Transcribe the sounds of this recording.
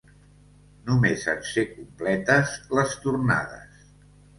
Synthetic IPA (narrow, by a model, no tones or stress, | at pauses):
numeza̰nsekumplɛt̪əzləst̪urna̰ðə̰s